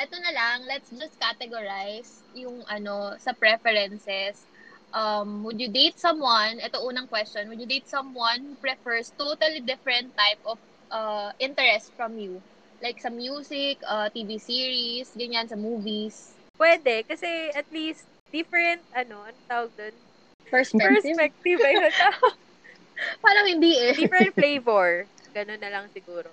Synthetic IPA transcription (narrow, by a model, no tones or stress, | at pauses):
ʔɛt̪onɐlɐŋlɛt̪sd͡ʒɐs̚kat̪ɛɡoɹajs | jʊŋʔɐno̞sɐpɹɛfɛɾɛnsɛs | ʔɐmwɪd̪jʊd̪ejt̪̚sɐmwanʔɛt̪oʔuːnɐŋkwɛstt͡ʃonwʊd̪jʊd̪ejt̪̚sɐ̃mwanhupɹɛfɛɹst̪ot̪ɐlid̪ɪfɹɛ̃nt̪ːajpʔɔf | ʔɐʔɪ̃nt̪ɛɹɛst̪fɹɐmju | lajksɐmjuːsɪkɐt̪iːvisiːɹisɡɐɲansɐmuːvis | pwɛːd̪ɛkɐsɛɐt̪list̪̚ | d̪̥ɪfɛɹɛnt̪̚ʔɐnoɐnt̪aːwɐɡ̚d̪on | fɛspɛɛspɛk̚t̪ibɐjɐt̪a | paːlɐŋhɪnd̪iːʔɛdifɾɛnt̪̚flejvoɹ | ɡ̥ɐnonːɐlɐŋsɪɡuːɾo